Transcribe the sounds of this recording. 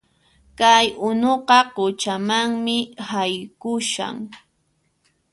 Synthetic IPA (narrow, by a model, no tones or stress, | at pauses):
kajʊnoqɑqʊt͡ʃamaŋmɪhajkʊʃa̰ŋ